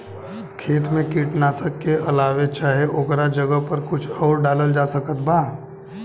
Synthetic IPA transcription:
kʰeːt̪mẽkiːʈnaːsəkːeʔɐlaːʋet͡ʃaːɦeʔokɾad͡ʒəɡəɦpɐɾkʊt͡ʃʰɔːɾɖaːləld͡ʒaːsɐkət̪̚baː

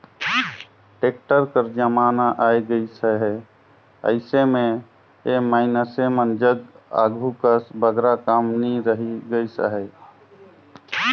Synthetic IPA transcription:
ʈek̚ʈəɾkəɾd͡ʒəmaːnaʔajɡəisəɦɛ | ə̰ɪsemẽ | emaɪnəsemənd͡ʒəɡ | a̰ɡʱukəsbəɡɾakamniɾəɦiɡəjsə̰ɦɛ

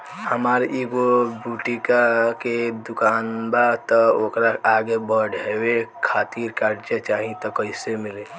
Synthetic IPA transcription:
həmaːɾiːɡobuːʈikaked̪ʊkaːnbat̪ɔoːkɾaaːɡebəɖʱewekʰaːt̪iːɾkaːɾd͡ʒət͡ʃaːɦĩt̪ɔkəɪsemɪle

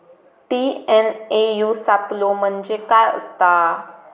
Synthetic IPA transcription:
tiɛ̃nejusaplomənd͡ʒekaə̰st̪a

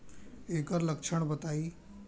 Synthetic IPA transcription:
eːkəɾləkʃʰəɳ̃bət̪aːiː

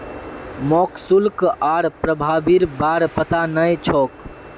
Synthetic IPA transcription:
mɔksulkaɾpɾəbʱaːbiɾbaːɾpət̪anəjt͡ʃʰɔk

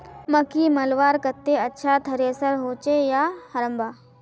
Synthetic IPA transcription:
məkimɐlʋaːɾkɐt̪ːeɐtːʃʰat̪ʰɐɾesəɾɦoːt͡ʃejahɐɾəmbʱaː

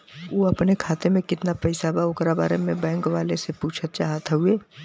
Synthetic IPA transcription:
oːɐpnekʰaːt̪emẽkɪt̪napɛɪsabaokɾaba̰ːɾemẽbɛ̃ːŋkʋaːlesepuːt͡ʃʰət̪̚t͡ʃaːɦət̪ɦueː

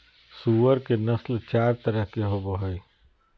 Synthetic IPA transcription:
suːəɾkenɐslt͡ʃaːɾt̪əɾəɦkeɦoboɦoi

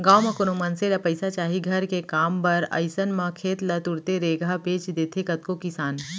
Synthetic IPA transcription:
ɡaːwmɐ̃kʊnumɐnselɐpɐɪsat͡ʃaːɦiɡʱɐɾkekaːmpɐɾɐ̰ɪsənmɐ̃kʰeːt̪lɐt̪ʊɾt̪eɾeːɡʱapeːt͡ʃd̪eːt̪ʰekɐt̪̚kokɪsaːn

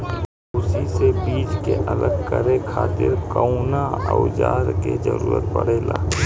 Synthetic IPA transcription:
ʊsisebiːd͡ʒkeʔələɡkəɾekʰaːt̪ɪɾkəũnaəʊd͡ʒaːɾked͡ʒə̰ɾṵːɾət̪̚pəɽ̤eːlaː

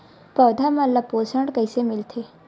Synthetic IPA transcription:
pɔːd̪ʱamãlːapoːsəɳɖkəisemɪlt̪ʰe

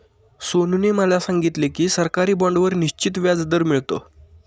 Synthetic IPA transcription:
sonuneməlasãŋɡit̪lekiːsəɾkaɾiːbɔɳɖʋəɾniɕt͡ɕit̪ʋjad͡zd̪əɾmiɭt̪o̰

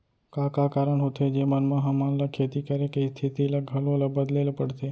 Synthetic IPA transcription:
kakakaɾəɳɦot̪ʰed͡ʒemənmãɦãmãnlakʰet̪ikəɾekəist̪ʰit̪iləɡʱəloləbəd̪lelopəɽte

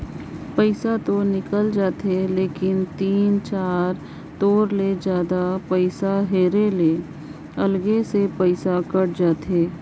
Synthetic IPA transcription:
pəɪsat̪onɪkəld͡ʒaːt̪eleːkɪnt̪iːnt͡ʃaːɾ | t̪oːɾled͡ʒjaːd̪apəɪsaɦeːɾele | ɐlɡesepəɪsakəɽd͡ʒaːt̪eː

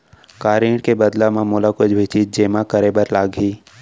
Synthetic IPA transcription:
kaːɾiːɽkebəd̪lamãmulakʊd͡ʒʰbʱɪt͡ʃit̪̚d͡ʒeːmãkəɾebəɾlaːɡɦiː

